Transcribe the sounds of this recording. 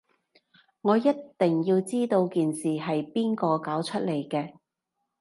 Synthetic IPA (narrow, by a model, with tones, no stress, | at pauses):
ŋɔː˨˧jɐ˥tt̪ɪ˨ŋjiː˧wt͡siː˥t̪o˧wkiː˨nsiː˨hɐ˨jpiː˥nkɔː˧kaː˨˥wt͡ʃʰɵ˥t̚le˨˩jkɛː˧